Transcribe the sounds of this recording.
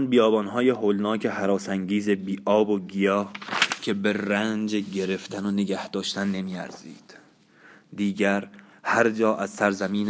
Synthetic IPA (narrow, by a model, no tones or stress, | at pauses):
nbijɒːbɒːnɦɒːjeɦoːlnɒːcʰeɦæɾɒːsæŋɟiːzebiːʔɒːboɡijɒːcʰe̞be̞ɾænd͡ʒeɟe̞ɾe̞ft̪ʰænoneɡæhd̪̥ɒːʃt̪ænːe̞miːæ̰ɾz̥ḭːd̪̥ | d̪iːɟæɾ | hæɾd͡ʒɒːʔæzsæɾzæmiːn